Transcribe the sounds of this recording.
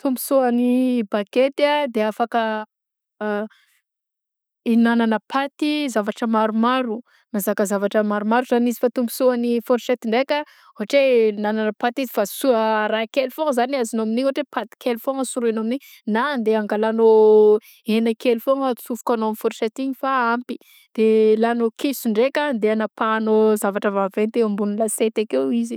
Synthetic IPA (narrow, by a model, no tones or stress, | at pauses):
t̪umbu̥suanibaket̪ad̪eafakə | inananəpʰat̪izavaʈ͡ʂəmaɾumaɾu | nazakəzavaʈ͡ʂəmaɾumaɾuzanizi̥fat̪umbu̥suanifoɾset̪iɳɖ͡ʐekʲə | oɦaʈ͡ʂenananəpat̪izifasuəɾakelfoŋzaniazinoaminioaʈ͡ʂepat̪i̥kelfoŋəsuɾenomini | nand̪eaŋɡalano | enəkelfoŋt͡sufu̥kanoamfoɾset̪iɲifaampi̥ | d̪̥elanokʰesuɳɖ͡ʐekʲand̪eanapanozavaʈ͡ʂəvavent̪eambunilaset̪akewizi